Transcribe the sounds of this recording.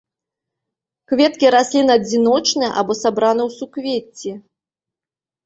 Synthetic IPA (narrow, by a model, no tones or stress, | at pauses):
kvʲɛt̪̚kʲiɾasʲlʲinɐd͡zʲinɔt͡ʂnɨjɛ̰ʔa̰bɔsabɾanɨwsukvʲet͡sʲːi